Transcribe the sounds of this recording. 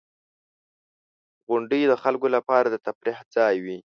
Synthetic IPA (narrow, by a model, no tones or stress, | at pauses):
ɣʊɳɖəjd̪əxalkolapɑɾad̪ət̪afɾihd͡zɑjwi